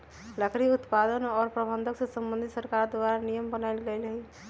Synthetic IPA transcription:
ləkɾiut̪pad̪ənɔːɾpɾəbʱə̃nd̪ʱəksə̃sə̃mbənd̪ʱisəɾkaɾd̪waɾanijəmbənaɪlɡeɪlɦi

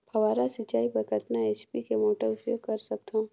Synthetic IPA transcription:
pɐʋaːɾasɪt͡ʃaːipɐɾkəɾt̪naeːt͡ʃpikemoːʈəɾʊpjoːɡ̚kɐɾsɐk̚t̪õː

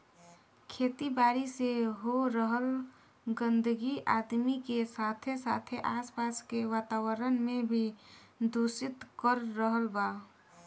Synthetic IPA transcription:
kʰeːt̪ibaːɾiseɦoɾəɦəl | ɡə̃nd̪əɡiʔa̰ːd̪mikesaːt̪ʰesa̰ːt̪ʰeʔaːspaːskeʋaːt̪aːwəɾənmẽbʱi | d̪oːsɪt̪kəɾːəɦəlbaː

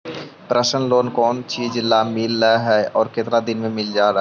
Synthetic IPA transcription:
pɾəʃənloːnkɔːnt͡ʃiːd͡ʒlaːmɪlːaɦɛɔːɾkɪt̪ɾad̪ɪnmẽmɪld͡ʒaːɾa

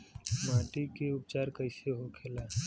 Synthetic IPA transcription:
maːʈikeʊpt͡ʃaːɾkəɪseɦokʰelaː

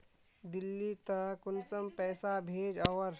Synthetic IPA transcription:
d̪ɪlːit̪ɐkʊnsəmpɛːsabʱeːd͡ʒɐʋəɾ

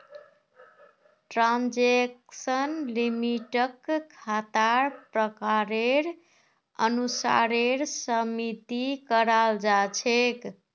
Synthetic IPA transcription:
ʈɾand͡ʒeksənlimiʈəkkʰːat̪aɾpɾəkaɾeɾ | ə̰nusa̰ɾeɾsəmit̪ikəɾald͡ʒat͡ʃʰek

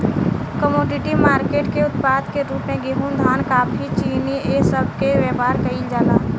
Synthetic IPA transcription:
kəmoːɖɪʈimaːɾkeːʈkeʊt̪paːd̪keɾuːpmẽɡeɦund̪ʱaːnkaːpʰit͡ʃiːniesəbʱkeʋəpaːɾkəid͡ʒaːlaː

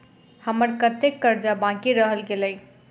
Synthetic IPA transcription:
həməɾkət̪ekːəɾd͡ʒabãkiɾəɦəlɡeləj

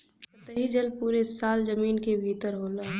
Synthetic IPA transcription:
ɐt̪əɦid͡ʒəlpuːɾesaːld͡ʒəmiːnkebʱiːt̪əɾɦoːlaː

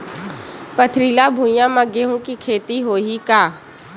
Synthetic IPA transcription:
pət̪ʰɾiːlabʱũːjãmɐɡeɦũkikʰeːt̪iɦoːɦikaː

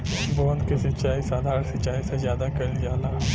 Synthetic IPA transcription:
bɔ̃ːnd̪kesɐt͡ʃaːisaːd̪ʱaːɾsɐt͡ʃaːisezjaːd̪akɐld͡ʒaːlaː

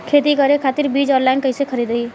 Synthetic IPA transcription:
kʰet̪ikəɾekʰat̪iɾbid͡ʒɔ̃nlajnkəɪsekʰəɾid̪əi

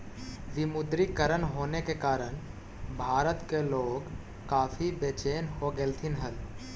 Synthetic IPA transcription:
ʋɪmʊd̪ɾikəɾənɦoːnekekaːɾəñ | bʱaːɾət̪keloːɡ | kaːpʰibet͡ʃeːnɦoɡelt̪ʰɪnɦəl

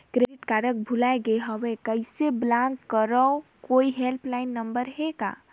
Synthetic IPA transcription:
kɾeiʈkaɾək̚bʱulaeɡeɦɔwekəɪseblãŋkkəɾəo | koiɦelplaɪnːəmbəɾɦeka̰

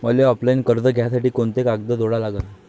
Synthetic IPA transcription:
məleɔplainkəɾd͡z̪əɡʱjasaʈiːkoɳt̪ekaɡd̪əd̪oɽalaɡən

